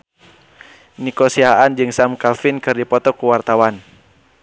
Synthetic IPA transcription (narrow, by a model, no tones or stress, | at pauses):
nikɔsiaʔand͡ʒɨŋsamkafinkɨrdipɔt̪ɔkuwart̪awan